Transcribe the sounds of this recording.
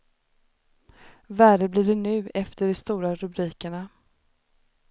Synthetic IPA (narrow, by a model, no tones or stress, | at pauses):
væːɖəbliːɖɛɳʉ̟ːɛft̪əɖɛst̪uːɾaɾɵbɾiːkəɳa